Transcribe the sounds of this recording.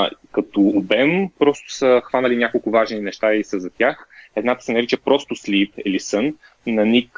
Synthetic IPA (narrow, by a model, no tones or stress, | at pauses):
kɐt̪oːbɛmpɾɔst̪ʊ̥səxvanəlinʲjakolˠkʊvaʒninɛʃt̪aisəzɐt̪ʲjaxɛd̪nat̪ə̥sɛnɐɾit͡ʃəpɾɔst̪ʊslipɛlisənː | ɐnik